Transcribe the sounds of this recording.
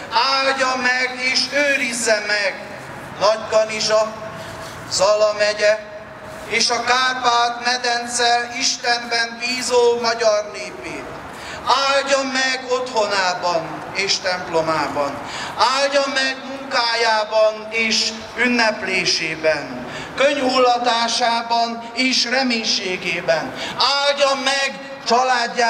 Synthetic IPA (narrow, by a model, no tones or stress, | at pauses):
aːlɟɒmːɛɡeːʃøːɾizːɛmɛɡ | nɒɟbɒniʃɒ | zɒlɒmɛɟɛ | eːʃɒkaːpaːt̪mɛd̪ɛnt̪sɛliʃt̪ɛmbɛnviːzomɒɟɒrneːpeːt̪ | aːlɟɒmːɛɡot̪ho̞naːbɒn | eːʃt̪ɛmplo̞maːbɒn | aːlɟomːɛɡmuŋkaːjaːbɒneːʃ | ynːɛpleːʃeːbɛn | køɲulːɒt̪aːʃaːbɒn | eːʃrɛmeːɲʃeːɡeːbɛnaːlɟomːɛɡ | t͡ʃɒlaːɟːaː